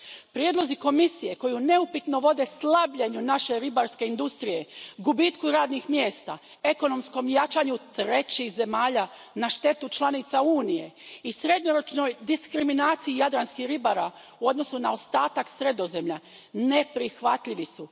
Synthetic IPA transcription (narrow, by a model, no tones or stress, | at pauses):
pɾjed̪lˠo̞ziko̞misije̞ko̞juneupit̪no̞ʋo̞d̪e̞slˠabʎeɲunaʃe̞ɾibaɾske̞ind̪ust̪ɾije̞ɡubit̪kuɾaːd̪nixmje̞ːst̪a̰ | e̞ko̞no̞msko̞mjat͡ʃaːɲut̪ɾe̞t͡ɕixze̞maːʎa | naʃt̪e̞t̪ut͡ʃlˠanit̪sauːnije̞isɾe̞d̪ɲoɾo̞t͡ʃnojd̪iskɾiminaːt̪siijad̪ɾanskixɾibaɾa | uo̞d̪no̞sunao̞st̪aːt̪aksɾe̞d̪o̞ze̞mʎa | ne̞pɾixʋat̪ʎiʋisu